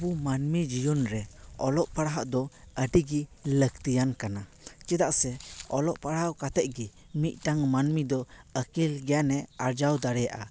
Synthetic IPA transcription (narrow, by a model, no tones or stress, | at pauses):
bumanmid͡ʒijɔnɾɛɔlɔʔpaɽaɦaʔd̪ɔəɖiɡiləkt̪ijankana | t͡ʃɛd̪aʔsɛɔlɔʔpaɽakat̪ɛʔ̚ɡi | mit̪̚ˀʈaŋmanmid̪ɔəkilɡɛjanɛaɾd͡ʒawd̪aɽɛjaʔa̰